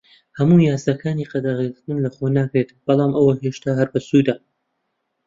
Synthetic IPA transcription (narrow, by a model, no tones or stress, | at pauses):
hɐmuːjaːsd̪ɐkʰaːniːqɐd̪aʁezɨt̪ɨnlɐχonaːkɾet̪b̥ɐlˠɑːmɐwɐheʃt̪aːɦɐɾbɐsujd̪aː